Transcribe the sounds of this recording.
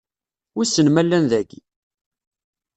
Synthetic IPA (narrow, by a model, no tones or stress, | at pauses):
usːənmælːænðæɡi